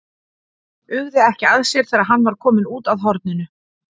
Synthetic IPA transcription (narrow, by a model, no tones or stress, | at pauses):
ʏɣðɪɛhcɪaðsjɛɾ̥θɛːɾaðɦanːvaɾ̥kʰɔːmɪnuːt̪aðɦɔɾt̪̚nʏnʏ